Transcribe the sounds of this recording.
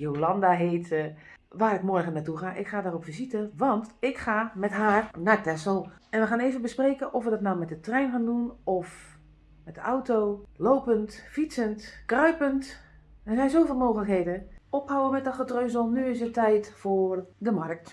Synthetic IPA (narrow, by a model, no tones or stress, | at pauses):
jolɑndaɦeːt | ʋaːrɪkmɔɹɣənaːtuxaːʔɪkχaːdaːrɔpfizitəʋɑntɪkxaːmɛtɦaːrnatɛsəlˠ | ɛnʋəxaːneːvənbəspreːkənʔɔfʋədɔtnawmɛt̚dətrɛjnxaːndunɔf | mɛt̚dəʔawtoːloːpəntfisəntkrœɥpənt | ɛzɛjnzoːfɪːlˠmoːxələkɦeːdəɔphawəmɛt̚dɔxətrøːzəlˠnyɪsətɛjtfoːrdəmark̚t